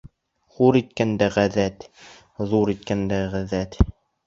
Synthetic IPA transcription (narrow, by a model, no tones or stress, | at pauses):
χuɾit̪̚kænd̪æʁæðæt̪ | ðuɾit̪̚kænd̪æʁæðæt̪